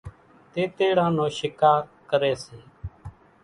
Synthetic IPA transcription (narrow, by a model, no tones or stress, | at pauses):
t̪eːt̪eːɽãːnõːʃɪkaːɾkəɾeːseː